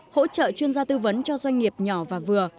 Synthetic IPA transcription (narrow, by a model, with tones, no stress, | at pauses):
ho̰˧˥t͡ɕə̰ː˧˨t͡ɕwi˧ənzaː˧t̪ɨ˧və˨˦nt͡ɕɔ˧zwa˧jŋ̟ŋi˨˩əp̚ɲɔ˧˩vaː˨˩vɨ˨˩ə